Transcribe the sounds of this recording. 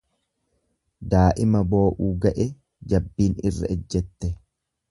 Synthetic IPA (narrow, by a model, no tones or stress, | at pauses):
d̪aːʔɪmɐbo̞ːʔuːɡɐʔɛ | d͡ʒɐbːiːnɪ̰rːɐ̰ɛd͡ʒːɛt̪ːɛ